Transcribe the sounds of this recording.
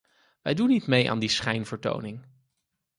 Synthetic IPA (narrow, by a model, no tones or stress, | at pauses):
ʋɛjdunːitmeja̰ːndisχɛjnvəɹto̰wnɪŋ